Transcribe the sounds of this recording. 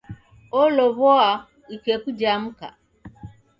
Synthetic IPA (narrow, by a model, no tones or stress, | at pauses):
ɔlɔβɔa | ikekud͡ʒam̩ka̰